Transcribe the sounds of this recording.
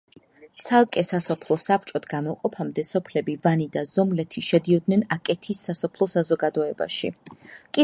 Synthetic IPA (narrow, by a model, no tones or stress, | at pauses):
t̪sʰalˠkʼɛsasɔpʰlˠɔsapʰt͡ʃʼɔt̪ʰɡamɔqʼɔpʰamd̪ɛsɔpʰlɛbivanid̪azɔmlɛt̪ʰiʃɛd̪iɔd̪nɛnakʼɛt̪ʰisːasɔpʰlˠɔsazɔɡad̪ɔɛba̰ʃikʼi